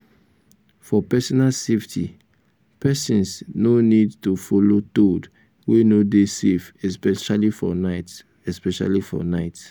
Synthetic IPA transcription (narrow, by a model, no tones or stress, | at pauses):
fɔpɛsɔnalseftʰi | pɛsĩnsnonidtufɔlotod | wenodesefɛspɛʃalifɔ̰naɪt | ɛspɛʃa̰lifɔ̰naɪt